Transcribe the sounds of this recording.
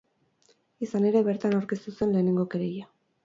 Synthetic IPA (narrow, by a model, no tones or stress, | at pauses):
isane̞ɾe̞βe̞ɾt̪anawɾke̞st̪usue̞nle̞ːne̞ŋɡokeɾeja